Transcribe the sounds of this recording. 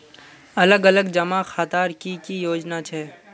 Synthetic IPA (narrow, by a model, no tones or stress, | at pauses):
ɐləɡələɡd͡ʒɐmaxʰaːt̪aːɾkikijoːd͡ʒnat͡ʃʰɛː